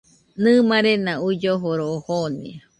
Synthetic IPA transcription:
nɨ̃mãɾenãud͡ʒoɦoɾohonḭ

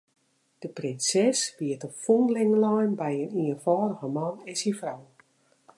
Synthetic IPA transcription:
d̥əprɪnsɛsʋiətəfonlɪŋəlajnbɛjəniənfɔːɾəɣəmanɪnsinfrɔw

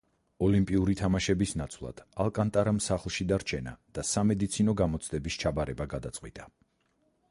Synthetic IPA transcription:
ɔlimpʼiuɾit̪ʰamaʃɛbisnat̪sʰvlˠa̰d̪̥alˠkʼant̪ʼaɾamsaχlˠʃid̪aɾt͡ʃʰɛna̰d̪̥asamɛd̪it̪sʰinɔɡamɔt̪sʰd̪ɛbist͡ʃʰabaɾɛbaɡad̪at̪sʼqʼwḭt̪ʼa

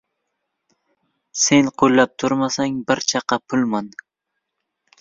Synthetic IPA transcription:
se̞nqʰolːap̚t̪ʰʊɾmasaŋbɪɾt͡ʃʰɑqɑpʰʊlˠman

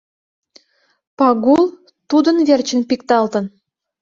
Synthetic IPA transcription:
pɑɡulˠ | t̪ud̪ə̆nverʲt͡ɕə̆npikt̪ɑlˠt̪ə̆n

